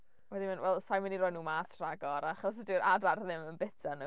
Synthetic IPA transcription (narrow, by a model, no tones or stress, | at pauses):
wɛðimɪnwɛlˠsajməniɾɔːjnuːmaːstʰr̥aɡɔɾaaχɔsədɪːɾʔadarðɪmənbɛtʰanu